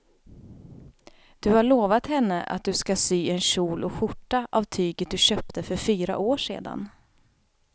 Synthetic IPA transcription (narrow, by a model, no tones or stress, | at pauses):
d̪̥ɵhaɭoːvat̪hɛnːəʔa̰t̪̚d̪ɵskasyːɛnɕuːlʔɔɧʊʈːaʔavt̪ʰyːɡət̪̚d̪ɵɕœːp̚t̪ʰəfœɾfyːɾa̰ʔoːʂḛːd̪a̰n